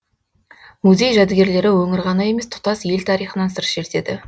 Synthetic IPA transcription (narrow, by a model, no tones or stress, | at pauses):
muze̞jʒæd̪ɪɡʲe̞ɾle̞ɾɪwɵŋɪɾʁɑnɑje̞mest̪ʰʊ̥t̪ɑsje̞lt̪ʰɑɾijχənɑnsəɾʒe̞ɾt̪e̞d̪ɪ